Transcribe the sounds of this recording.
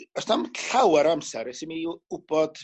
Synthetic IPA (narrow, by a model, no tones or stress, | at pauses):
ɔsnamɬawaɾamsɛɾɛsɪmiʊb̥ɔd̥